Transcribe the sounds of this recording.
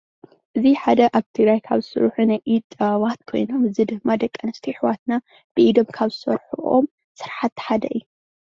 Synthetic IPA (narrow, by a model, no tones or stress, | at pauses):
ʔɨziħad̪ɐʔaβt̪ʰɨɡɾajkʰaβzɨ̥sɨ̰ɾħunajʔit̪ʼːɐβat̪̚kʰo̞̰jno̞mɨzɨd̪ɨɡmad̪ɐkʼːɐnɐst̪ʰiħɨwat̪na | b̥ɨʔid̪o̞mkʰaβzɨsɐɾħuʔo̰m | sɨɾħat̪ːħad̪ɐʔɨjːu